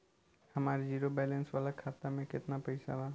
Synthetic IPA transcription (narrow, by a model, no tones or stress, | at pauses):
həmaːɾd͡ʒiɾobɛlensʋalakʰaːt̪amẽkɪt̪napəɪsa̰baː